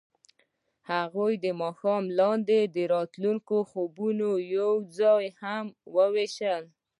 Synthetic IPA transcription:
haɣojd̪əmɑxɑmlɑnd̪ed̪əɾɑt̪luŋkoxobunojawd͡zɑjhamwəweʃəl

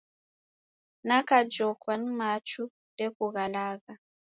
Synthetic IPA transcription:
nakad͡ʒɔkwanmat͡ʃu | dekuɣalaːɣa

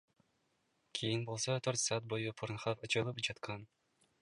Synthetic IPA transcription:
kʰijinbo̞lˠsot̪ʰøɾt̪sɑːt̪̚bo̞jupʰoɾnχɑpɯt͡ʃɯlˠɯpd͡ʒɑt̪qʰɑn

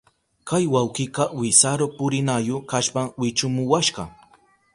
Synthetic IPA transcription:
kajwawkɪqɑwɪsaɾopʊɾɪnajokaʃpaŋwɪt͡ʃʊmʊwaʃɢɑ̰

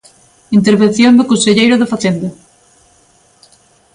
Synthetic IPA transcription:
int̪eɾβen̟θjond̪ekonseʎejɾoðefaθend̪ɐ

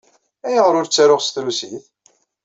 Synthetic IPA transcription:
æjəʁɾʊɾt͡sːæɾʊʁsθɾusiθ

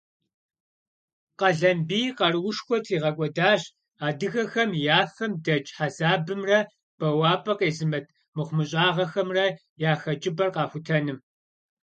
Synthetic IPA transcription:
qɐɮɐmbiːqɐrwʊʂxʷɔtʰiːʁɐkʷʼɔdaːɕ | aːdɨxɐxɐmjaːfɐmdɐt͡ʃʼħazaːbɨmrɐ | b̥ɐwaːpʼɐqeːzɨmɐtʰ | mɨχʷʊmɨɕʼaːʁɐxɐmrɐ | jaːxɐt͡ʃʼɪbɐrqɑːxʷʊtʰɐnɨm

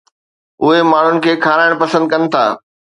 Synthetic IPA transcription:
ʊɦemaːɳ̤ʊnɪ̆kʰeːkʰaːɾaːɪɽ̃pɐsə̃nd̪̚kɐnɪ̆t̪ʰa̰ː

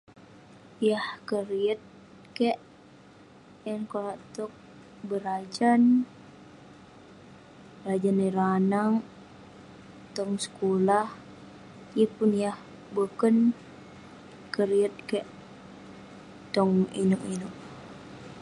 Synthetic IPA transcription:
jahkəriət̪̚ | keʔ | jankonaʔt̪ɔk̚ | bəɾad͡ʒan | ɾad͡ʒaniɾanaŋ | t̪ɔŋsə̥kulah | ijəpʊnjah | bukən | kəɾiət̪̚kəʔ | t̪ɔŋinuʔinʊʔ

